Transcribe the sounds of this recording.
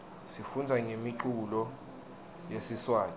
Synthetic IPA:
sifund͡zʱaŋʱemiǃulɔ | jesiswaːn

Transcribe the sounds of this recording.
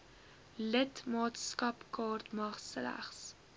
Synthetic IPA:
lətmɑːtskɐpkɑːrtmɐχslæ̰χs

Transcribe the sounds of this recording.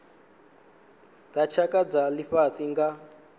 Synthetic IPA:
tat͡ʃʰakad͡zaliɸat͡sʼiŋɡa

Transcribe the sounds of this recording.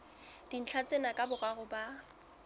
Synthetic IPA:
d̥in̩t͡ɬʰat͡sʼenakʼabʊraɣʊba

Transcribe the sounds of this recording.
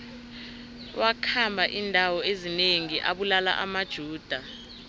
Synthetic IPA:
wakʰambʱaʔindʱawɔezineŋiʔaɓulala̰ʔamad̥ʒ̥ʱuːd̥ʱa

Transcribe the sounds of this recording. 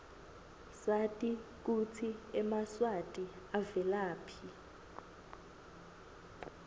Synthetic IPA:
satʼik̬ut͡sʰiɛmaswatʼi | avɛlaːpʰi

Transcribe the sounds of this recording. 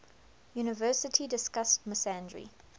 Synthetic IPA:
juːnɪvɜːˑsətʰidɪskast̚məsæ̃ndɹḭ

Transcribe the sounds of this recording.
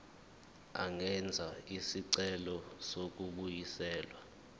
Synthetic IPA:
a̰ŋɛnd͡zʱaisiǀɛlɔsok̬uɓujisɛːlwa

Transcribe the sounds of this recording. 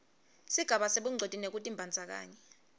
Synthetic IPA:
siɡ̥ʱaɓaseɓuŋ͡ǀʱod̥ʱinek̬utʼimbʱand͡zʱak̬a̰ːɲɛ

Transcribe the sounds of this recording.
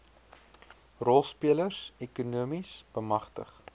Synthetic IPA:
rɔlˠspiələrsekunuəmisb̥əmɐχtə̰χ

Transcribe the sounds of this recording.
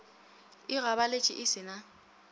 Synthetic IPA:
ɪɣaβalet͡ʃʼɪʔɪsɪna

